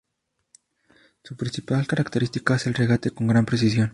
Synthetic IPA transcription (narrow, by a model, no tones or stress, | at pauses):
supɾinsipalkaɾakt̪eɾist̪ikaese̞lreɣat̪e̞koŋɡɾampɾes̬is̬jo̞n